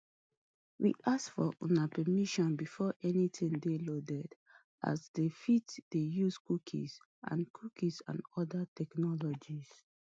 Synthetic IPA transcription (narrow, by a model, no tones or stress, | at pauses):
wḭʔasfɔʔɔ̃napɛmiʃɔ̃nbifɔʔɛnitʰĩŋdelodɛd | ʔa̰zdefitd̥ejuskukʰḭz | ʔã̰nkʰukisã̰nɔdatʰɛknɔlɔd͡ʒiz